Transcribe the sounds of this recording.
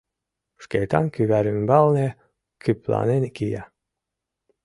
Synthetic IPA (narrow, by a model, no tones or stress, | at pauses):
ʃkejt̪ɑ̰nkyβæɾymbɑlˠne | kʰyplɑ̰nenkijæ